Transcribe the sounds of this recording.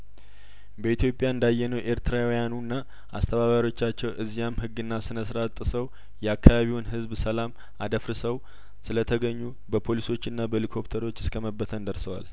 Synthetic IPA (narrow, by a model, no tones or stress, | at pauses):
bəit̪ʰjo̞pʼːjaɨnd̪ajːɛnəwʔe̞ɾt̪ʰɨɾawjanunːa | ʔa̰st̪ʰəβaβaɾo̞t͡ʃːat͡ʃːɛwʔɨzːijamɦɨɡːɨnːasɨnəsɾat̪ʼːɨsəw | jɛakʰːaβaβiwnɦɨzbsəlam | ad̪əfɾɨsəw | sɨlət̪ʰəɡəɲːu | bəpʰo̞liso̞t͡ʃːɨnːabəlikʰo̞pt̪ʰəɾo̞t͡ʃːɪskʰəməbːət̪ʰənd̪əɾsəwa̰l